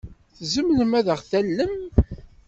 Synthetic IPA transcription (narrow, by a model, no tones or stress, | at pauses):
θzəmləmæðəʁθælːəm